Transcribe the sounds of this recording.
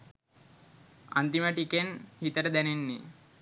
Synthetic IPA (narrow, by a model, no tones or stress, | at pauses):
a̰nt̪iməʈikenhit̪əɾəd̪ænenːi